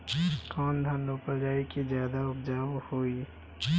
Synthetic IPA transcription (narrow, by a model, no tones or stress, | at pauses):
kɔ̃ːnd̪ʱanopəɾd͡ʒaːikizjaːd̪aʊpd͡ʒaːʋhoːi